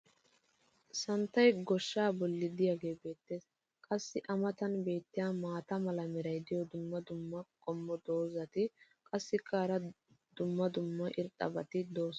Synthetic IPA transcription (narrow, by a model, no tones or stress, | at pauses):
sɐnt̪ːɐjɡɔʃːaːbɔlːɪd̪ɪjaɡe̞ːbe̞ːt̪ːeːs | kʼɐsːɪʔɐmɐt̪ɐnbe̞ːt̪ːɪjaːmaːt̪ɐmɐlɐmɛɾɐjd̪ɪjɔd̪ʊmːɐd̪ʊmːɐkʼɔmːɔd̪o̞ːzɐt̪ɪ | kʼɐsːɪkʰːaːɾɐ | d̪̥ʊmːɐd̪ʊmːɐʔɪɾt̪ʼɐ̰bɐt̪ɪd̪o̞ːs